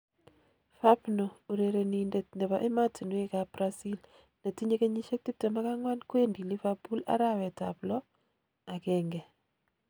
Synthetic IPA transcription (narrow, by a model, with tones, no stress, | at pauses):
fa˦pno˨o˨ɾe˨ɾe˨ni˨nde˨tnde˨βaʔe˦ma˦ti˨nwe˦ka˨bɾasi˦l | na˨ti˦ɲe˦ke˦ɲi˦ʃe˦k̚ti˦p̚te˨ma˦ka˦ŋwa˦nkwe˦ndi˨li˦fabu˦la̰˦ɾa˦wɛ˨ta̰˨plɔ˦ | a˨kɛŋɡɛ˨